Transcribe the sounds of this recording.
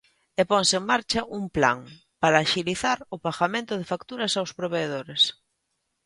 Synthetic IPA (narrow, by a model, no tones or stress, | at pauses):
epoŋseeŋmaɾt͡ʃɐʔuŋpla̰ŋ | paɾaːʃiliθaɾʊβaxamẽnt̪ʊðefakt̪uɾɐsawspɾoβeːð̞oɾes